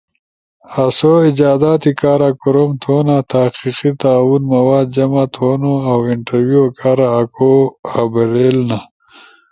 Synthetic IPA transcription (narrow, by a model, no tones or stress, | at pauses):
asoid͡ʒaːd̪aːt̪ikaːɾakuɾomt̪ʰoːnat̪ʰahqiqit̪aːwunmɐwaːd̪̚d͡ʒɐmat̪ʰonoawɪɳʈɐɾwjuokʰaːɾaːkʰoabɐɾelna